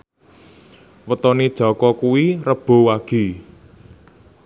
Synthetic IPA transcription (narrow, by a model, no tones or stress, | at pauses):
wət̪ɔned̥ʒ̥ɔ̤kɔkuwirəb̥o̤waɡ̥i̤